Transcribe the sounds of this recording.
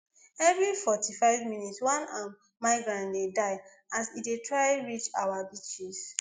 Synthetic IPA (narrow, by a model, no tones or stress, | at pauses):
ɛvɹifɔtʰifaɪvmĩnitswãnãm | maɪɡɹãndedaɪ | asitdetʰɹaɪɹit͡ʃa̰wabit͡ʃis